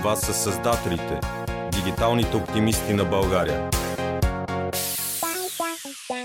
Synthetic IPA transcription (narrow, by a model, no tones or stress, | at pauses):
vasəsɐzd̪at̪ɛlit̪ɛd̪iɡit̪alˠnit̪ɛopt̪imist̪inɐbɐlˠɡaɾiə̰